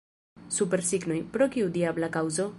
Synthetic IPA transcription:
supe̞ɾsiɡnojpɾo̞kiud̪iablakawzo̞

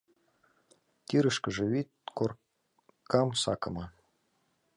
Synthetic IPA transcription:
t̪ʲiɾə̆ʃkə̆ʒĕβit̪̚kor | kɑmsɑ̰kɤ̆mɤ

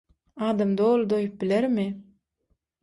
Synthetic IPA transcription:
ɑːd̪ɑmd̪olˠd̪ojup̚bileɾmɪ

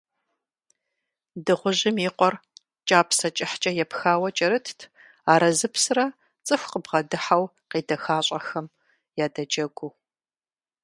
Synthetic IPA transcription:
dɨʁʷʊʑɪmiːqʷɔr | t͡ʃʼaːpʰsɐt͡ʃʼɪħt͡ʃʼɐjɛpxaːwɐt͡ʃʼɐɾɨtʰtʰ | aːɾɐzɨpsrɐ | t͡sʼɨxʷqəbʁɐdɨħaw | qiːdɐxaːɕʷʼɐxɐm | jaːdɐd͡ʒɐɡʷu

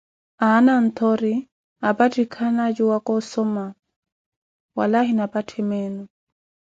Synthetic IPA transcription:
anan̩t̪ʰɔɾi | apatʰʼikʰanad͡ʒuwakɔsɔma | wa̰laɦinapatʰɛmɛːnɔ

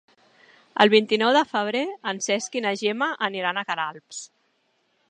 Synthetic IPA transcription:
ə̰lˠβint̪inɔwðəfəβ̞ɾeənsɛskinəʒemaʔəniɾanəkəɾalˠps

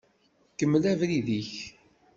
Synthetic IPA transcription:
kəmːəlævɾiðiç

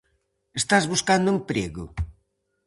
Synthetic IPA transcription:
est̪azβuskand̪ʊempɾeɣʊ̰

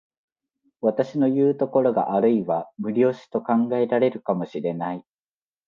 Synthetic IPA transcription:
βat̪aɕino̞jɯ̟ːt̪o̞ko̞ɾo̞ɡa̰ʔaɾɯ̟iβamɯ̟ɾʲo̞ːɕi̥t̪o̞kãŋɡae̞ɾaɾe̞ɾɯ̟kamo̞ɕiɾe̞nai

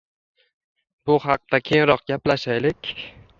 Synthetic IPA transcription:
bʊhɑq̚t̪akʲʰeŋɾɒq̚ɡʲaplaʃajlɪkʲ

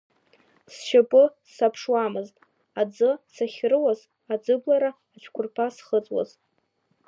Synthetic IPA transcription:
sʃapʼɨ | sapʰʂwamɨztʼ | ad͡zɨsaχʲrɨwaz | ad͡zɨblaɾaːt͡ʃʷʰkʷʰʊrpʰasχət͡sʼwa̰z

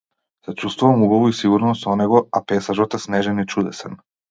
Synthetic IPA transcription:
z̥at͡ʃust̪voʋamuɡoʋuisiɡuɾnost̪oneɡoapesaʒot̪asneʒenit͡ʃud̪ḛsa̰n

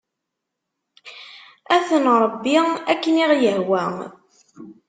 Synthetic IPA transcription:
æθənɾˤəbːiækːəniʁjəɦwæ

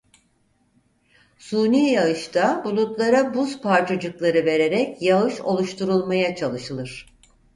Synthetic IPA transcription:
sunijaɯʃt̪ʰabulˠut̪lˠaɾabuzpʰaɾt͡ʃʰad͡ʒɯklˠaɾɯve̞ɾe̞ɾɛcjaɯʃo̞̰lˠuʃt̪ʰuɾulˠmajat͡ʃʰalˠɯʃɯlˠɯɾ̝̥

